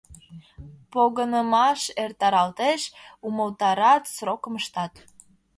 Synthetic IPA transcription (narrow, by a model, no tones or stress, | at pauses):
poɣənəmɑʃert̪ɑɾɑlt̪eʃuməlt̪ɑɾɑt̪srokəməʃt̪ɑt̪